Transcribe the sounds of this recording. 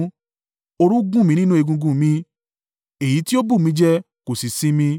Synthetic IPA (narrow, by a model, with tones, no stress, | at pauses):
o˧ɾũ˦ɡũ˦˨mĩ˧nĩ˦nũ˦e˧ɡũ˧ɡũ˧˨mĩ˧ | e˨ji˨˦ti˦o˦bũ˦˨mĩ˧d͡ʒɛ˦ | ko˨si˨sĩ˨˦mĩ˧